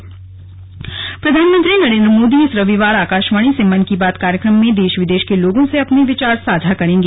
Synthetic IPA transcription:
pɾɐd̪ʱaːnmə̃nt̪ɾinɐɾẽːnd̪ɾəmoːd̪iɪsɾɐʋiʋaːɾaːkaːʃmaːɽ̃isɪmɐnkibaːt̪kaːɾjəkɾəmːẽd̪eːʃʋɪd̪eːʃkeloːɡõseɐpneʋɪt͡ʃaːɾsaːd͡ʒʱakɐɾẽːŋɡeː

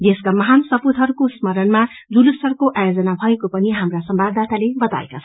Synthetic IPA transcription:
d̪eskamʌɦansʌpud̪ʱɦʌɾukosmʌɾʌnmad͡zulusʌrkoʔajod͡zʌnabʱʌekopʌniɦamrasʌmbʱabd̪at̪alebʌt̪a̰ḛkat͡sʰʌ

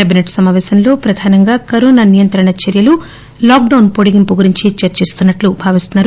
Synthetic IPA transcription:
kaːbineʈsɐmaːʋɛːsɐnlo̞ːpɾɐd̪ʱaːnɐŋɡaːkɐɾoːnɐnijɐnt̪ɾɐɳɐt͡ʃɐɾjɐlu | laːk̚ɖɐwnpoɽiɡimpuɡuɾiɲt͡ʃit͡ʃɐɾt͡ʃist̪unːɐʈlubʱaːʋist̪unːaːɾu

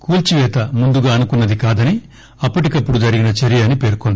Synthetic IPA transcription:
kuːlt͡ʃiʋɛːt̪ɐmund̪uɡaːɐnukunːɐd̪ikaːd̪ɐni | ɐpːɐʈikɐpːuɽud͡ʒɐɾiɡinɐt͡ʃɐɾijaːnipe̞ːɾkond̪i̥

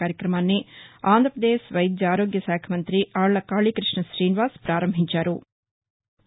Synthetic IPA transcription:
aːɾjɐkɾɐmaːnːiaːnd̪ʱɾɐpɾɐd̪eːʃʋɐjd̪d͡ʒaːɾoːɡjɐsaːkʰɐmɐnt̪ɾiʔaːɭɭɐkaːɭikɾiʂɳɐʃɾiːniʋaːspɾaːɾɐmbʱiɲt͡ʃaːɾu

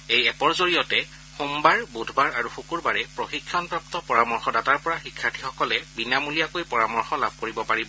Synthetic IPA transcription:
ejɛpɔɹzoɹijɔtɛ | xumbaɹbudʱbaɹaɹuxukuɹbaɹɛpɹoxikʰːjɔnpɹaptɔpɔɹamɔɹxɔdataɹpɔɹaxikʰːatʰixɔkɔlɛbinamulijakojpɔɹamɔɹxɔla̰bʱkoɹibɔpaɹibɔ

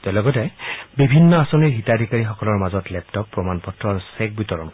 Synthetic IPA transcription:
tɛlɔɡɔtɛbibʱinːɔasɔniɹɦitadʱikaɹixɔkɔlɔɹmazɔtlɛptɔpːɹɔmanpɔtɹɔɹsɛk̚bitɔɹɔnk

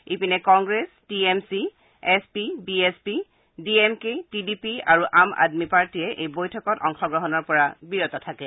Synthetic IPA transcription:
ipinɛkɔŋɡɹestiemsi | ɛspibiespi | diemketidipiaɹuʔama̰dmipaɹtiɛʔejbojtʰɔkɔtɔŋxɔɡɹɔɦɔnɔɹpɔɹabiɹɔtɔtʰakɛ

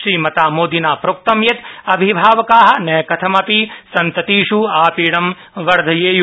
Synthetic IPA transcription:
ʃɾiːmɐt̪aːmoːd̪inaːpɾok̚t̪ɐmjɐt̪ɐbʱibʱaːʋɐkaːɦɐ̆nɐjɐkɐt̪ʰɐmɐpisɐnt̪ɐt̪iːʃuaːpiːɽɐm | ʋɐɾd̪ʱɐjeːj

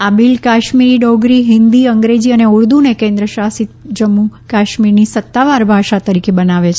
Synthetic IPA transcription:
abilkaʃmiɾiɖɔɡɾiɦɪnd̪iəŋɡɾed͡ʒiəneuɽd̪unekẽnd̪ɾəʃasit̪̚d͡ʒəmːukaʃmiɾnisət̪ːaʋaɾbʱaʃat̪əɾikʰebənaʋet͡ʃʰe

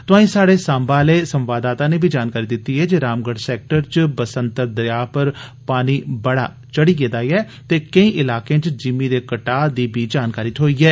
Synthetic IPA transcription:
t̪ʊãːĩːsaːɽeːsãːmbaːleːsəmʋaːd̪aːt̪ãːneːbʱiːd͡ʒaːnkaːɾiːd̪ɪt̪ːiːɛːd͡ʒeːɾaːmɡəɽsɛːk̚ʈəɾt͡ʃbəsə̃nt̪əɾd̪əjaːpəɾpaːniːbəɽa̰ː | t͡ʃəɽiːɡeːd̪aːiɛː | t̪eːkəĩːʔɪlaːkẽt͡ʃd͡ʒɪmiːd̪eːkəʈaːd̪iːbʱiːd͡ʒaːnkaːɾiːt̪ɦoːiːɛː

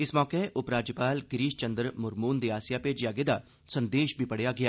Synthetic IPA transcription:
ɪsmɔːkeʔʊpɾaːd͡ʒjəpaːlɡɾiːʃt͡ʃənd̪əɾmʊɾmuːnd̪iːaːsɪjaːpeːd͡ʒjaːɡeːd̪aː | sənd̪eːʃbʱiːpəɽejaːɡɪaː

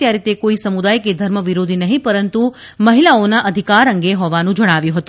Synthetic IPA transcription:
t̪jaɾit̪ekoisəmud̪ajked̪ʱəɾməʋiɾod̪ʱinəɦĩpəɾənt̪u | məɦilaonaʔəd̪ʱikaɾəŋɡeɦɔʋanũd͡ʒəɽ̃aʋjũɦət̪ũ

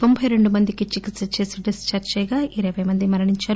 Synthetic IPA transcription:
t̪o̞mbʱɐjɾe̞ɳɖumɐnd̪ikit͡ʃikit̪sɐt͡ʃe̞ːsiɖist͡ʃaːɾt͡ʃɐjɡaːʔiɾɐːʋɐjmɐnd̪imɐɾɐɳiɲt͡ʃaːɾu

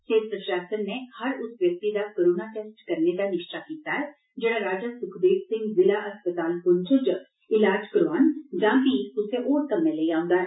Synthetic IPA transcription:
seːɾpɾəʃɾaːsənnːehəɾʊsʋjək̚t̪id̪aːkəɾuːnaʈeːsʈkəɾned̪aːnɪʃʈaːkiːt̪aːɦɛː | d͡ʒɪɽ̃ãːɾaːd͡ʒasʊkʰd̪eːksɪ̃ŋɡzɪlaːʔəspət̪aːlpʊnt͡ʃəd͡ʒə | ɪlaːd͡ʒkəɾoaːnd͡ʒãːbiʊseʔoːɾt̪əmẽːleiãːʊ̃nd̪aːɦɛ

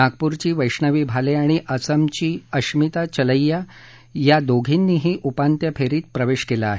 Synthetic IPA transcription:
ak̚puɾt͡ɕiːʋəjʂɳəʋiːbʱaleaɽ̃iʔəsəmt͡ɕiːəɕmit̪at͡ɕələjːa | jad̪oɡʱinːiːɦiːʔupant̪jəpʰeɾiːt̪̚pɾəʋeɕkelaːɦe

